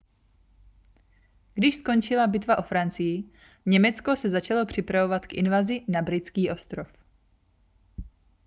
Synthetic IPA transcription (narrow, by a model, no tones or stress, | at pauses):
ɡ̥dɪʃsko̞nt͡ʃɪlabɪt̪vaʔo̞fɾant͡sɪjɪ | ɲɛmɛt͡sko̞sɛzat͡ʃalo̞pr̝̥ɪpɾavo̞vat̪kʔɪ̰nvazɪnabɾɪt͡skiːʔo̞st̪ɾof